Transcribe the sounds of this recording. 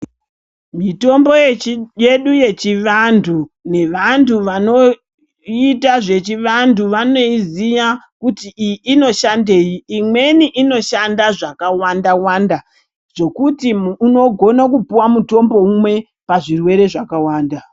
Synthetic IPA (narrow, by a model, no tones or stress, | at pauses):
mito̞mbo̞je̞ɗuje̞t͡ʃiʋantʰune̞ʋantuʋano̞ | itaʐe̞t͡ʃiʋantuʋano̞izija | kutiino̞ʃande̞jiːmwe̞niʔino̞ʃandaʐakawandawanda | ʐ̥o̞kutiuno̞ɡʱo̞nakupuwamuto̞mbo̞umwe̞ | paʐirwe̞ɾe̞ʐakawaːnda